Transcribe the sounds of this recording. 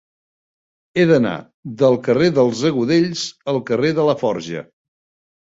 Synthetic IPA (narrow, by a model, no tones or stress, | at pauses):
eðəna̰ | ðəlˠkəreðəlˠzəɣuðeʎzəlˠkəreðələfɔɾʒə̰